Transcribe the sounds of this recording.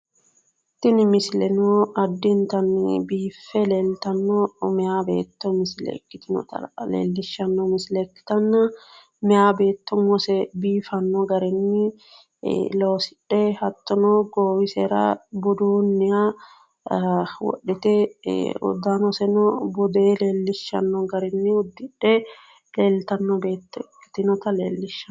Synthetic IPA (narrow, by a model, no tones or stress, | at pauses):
t̪ɪnɪmɪsɪlɛnɔɐd̪ːɪnt̪ɐnbiːfːɛleːlt̪ɐnːɔmɛaːbḛːt̪ːɔmɪslɛ̰kːɪt̪ɪnɔ̰t̪ɐ̰lḛːlːɪʃːɐnːɔmɪslɛkːɪ̥t̪ɐnːɐ | mɛaːbeːt̪ːɔŋɔsɛbiːfɐnːɔɡɐɾɛnːɪ | loːsɪ̥ɗːɛhɐt̪ːɔnɔɡoːwɪseːɾɐ̰bʊd̪uːnːɪja | wɔ̰ɗːɛt̪ɛʊ̰d̪anɔsɛnɔbʊd̪eːleːlːɪʃːɐ̰nːɔɡɐɾɛnːɪʊd̪ːɪᶑːɛ | leːlt̪ɐnːɔbe̞ːt̪ːɔɛkːɪ̥t̪ɪnɔt̪ɐlḛːlːɪʃːɐ